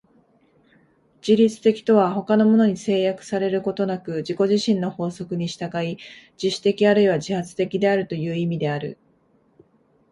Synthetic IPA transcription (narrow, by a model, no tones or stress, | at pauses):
d͡ʑiɾʲit͡sɨ̥t̪e̞kʲi̥t̪o̞β̞aho̞kano̞mo̞no̞ɲ̟ise̞ːjakɯ̟̥saɾe̞ɾɯ̟ko̞t̪o̞nakɯ̟ʑiko̞ʑiɕĩnːo̞ho̞ːso̞kɯ̟ɲ̟iɕi̥t̪aɡai | d͡ʑiɕɨ̥t̪e̞kʲiaɾɯ̟iβaʑihat͡sɨ̥t̪e̞kʲid̪e̞aɾɯ̟t̪o̞jɯ̟ːimʲid̪e̞aɾɯ̟̰